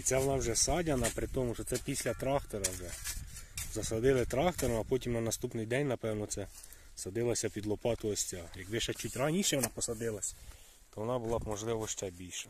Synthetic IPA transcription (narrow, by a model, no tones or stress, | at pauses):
it̪sɛʋɔnɑwʒɛsɑdʲɐnɐpɾɪt̪ɔmʊʃɔt̪sɛpʲisʲlʲɐt̪ɾɑxt̪ɔɾɐwʒɛ | zɐsɐd̪ɪlˠɪt̪ɾɑxt̪ɔɾɐmɐpɔtʲimnɐnɐst̪upnɪjd̪ɛnʲnɐpɛwnɔt̪sɛ | sɐd̪ɪlˠɐsʲɐpʲid̪lˠɔpɑt̪ɔɔsʲt͡sʲajɐɡbɪʃɛt͡ʃutʲranʲiʃɛʋɔnɑpɔsɐd̪ɪlˠɐsʲɐ | t̪ɔʋɔnɑbʊlˠɑmɔʒlˠɪʋɔʃt͡ʃʲɐbʲilʲʃɐ